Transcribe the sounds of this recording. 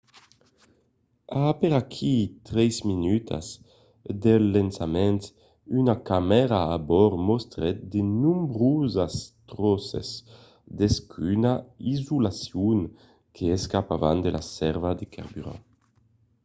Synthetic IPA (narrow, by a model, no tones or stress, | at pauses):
apeɾakʰit̪ɾɛzminyt̪ʰa̰z | d̪elːensamɛnt̪ | ynakamɛɾaːbɔɾmɔst̪ɾɛt̪̚d̪enumbɾuzast̪ɾɔsḛs | d̪eskʰynaizulasjuŋ | kʰeɛskapava̰nd̪elʔa̰sɛɾvad̪ekʰa̰ɾbyɾa̰